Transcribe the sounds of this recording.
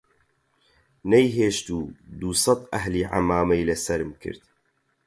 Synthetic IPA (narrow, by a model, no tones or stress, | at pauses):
nɛjɦeːʃt̪uːd̪uːsɑt̪ʔɐɦliːʕa̰maːmɛjlɐsɐɾɨmkʰɨ̰ɾt̪̚